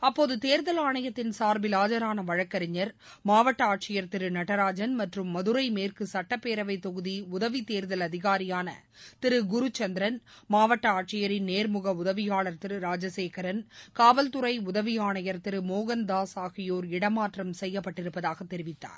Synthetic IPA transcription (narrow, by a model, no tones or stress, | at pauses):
ɐpːoːðɯt̪eːɾðɐlaːɳɐjɐt̪ːɪnsaːɾbɪlaːd͡ʒɐɾaːnɐʋɐɻɐkːɐɾɪɲːɐɾ | maːʋɐʈːɐaːʈ̚t͡ʃɪjɐɾt̪ɪɾɯnɐʈɐɾaːd͡ʒɐnmɐʈrɯmːɐðɯɾɐɪmeːrkɯsɐʈːɐpːeːɾɐʋɐɪt̪ːɔɣɯðiʊðɐʋit̪eːɾðɐlɐðɪɣaːɾɪjaːnɐ̰t̪ɪɾɯɡʊɾʊt͡ʃɐnd̪ɪɾɐnmaːʋɐʈːɐaːʈ̚t͡ʃɪjɐɾɪnneːɾmʊɣɐʊðɐʋɪjaːɭɐɾt̪ɪɾɯɾaːd͡ʒɐseːkɐɾɐnkaːʋɐlt̪ʊɾɐɪʊðɐʋɪjaːɳɐjɐɾt̪ɪɾɯmoːɣɐnd̪aːsaːɣɪjoːɾɪɽɐmaːʈrɐmsɛjːɐpːɐʈːɪɾɯpːɐðaːɣɐt̪ːɛɾɪʋɪt̪ːa̰ːɾ